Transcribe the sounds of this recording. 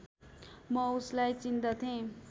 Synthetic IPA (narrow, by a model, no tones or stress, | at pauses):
mʌuslajt͡sint̪ʌt̪ʰẽ